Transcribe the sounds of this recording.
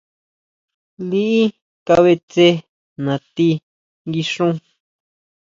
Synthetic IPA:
li˦ʔi˦ | ka˧βe˧t͡se˦ | nã˨t̪i˦ | ŋɡi˧ʂũ˦

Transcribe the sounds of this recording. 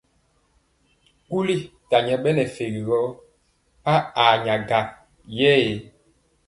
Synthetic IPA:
ku˦li˦ta˨ɲɛ˨ɓɛ˦nɛ˨fe˨ɣi˨ɣɔ˦ | pa˦a˨ɲa˨ɡa˨ | jɛ˦e˨˦

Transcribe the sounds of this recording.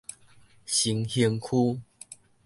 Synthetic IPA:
ɕi˨˦ŋhji˧ŋkʰu˦

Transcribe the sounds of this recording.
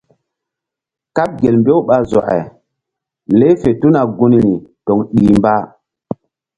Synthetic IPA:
ka˦p̚ɡe˨lmbo˦wɓa˨zɔ̰˨ʔɛ̰˨ | le˦fe˨tu˦na˨ɡu˦ni˨ni˨tɔ˨ŋɗi˨mba˦

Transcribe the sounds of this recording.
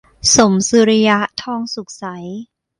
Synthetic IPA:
so˨˩˦msɯ˧ɾi˧ja˦˥ʔt̪ʰɔː˧ŋsu˨˩k̚sa˩˦j

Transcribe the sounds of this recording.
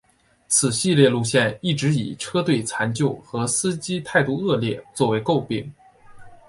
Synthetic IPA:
t͡sʰɹ̩˨˩ɕi˥˧ljɛ˥˧lu˥˧ɕjɛ˥˧ni˥˩ʈ͡ʂɻ̩˧˥ḭ˨˩ʈ͡ʂʰɤ˥t̪we˥˩ɪt͡sʰa˧˥nt͡ɕjo˥˩ʊxɤ˧˥sɹ̩˥t͡ɕi˥t̪ʰa˥˧ɪt̪u˥˧ɤ˥˧ljɛ˥˩t͡swɔ˥˩we˧˥ɪko˥˧ʊpi˥˩ŋ

